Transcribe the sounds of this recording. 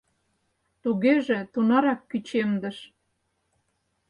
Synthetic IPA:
t̪uɣeʒĕt̪unɑɾɑkːyt͡ɕemd̪ə̆ʃ

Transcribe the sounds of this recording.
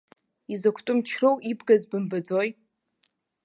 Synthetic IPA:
izɐkʷʰtʼʊmt͡ʃʰrowʔibɡɐzbɨmbɐd͡zoj

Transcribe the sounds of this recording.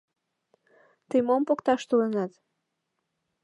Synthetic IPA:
t̪əjmompokt̪ɑʃt̪ulənɑt̪

